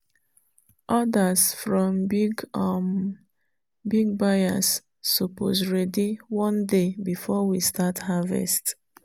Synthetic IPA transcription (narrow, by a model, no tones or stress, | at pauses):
ʔɔdasfɹɔ̃mbiɡ | biɡ̚baja̰sː | opo̰sɹɛdiwɔ̃ndebifɔwistathavɛ̰st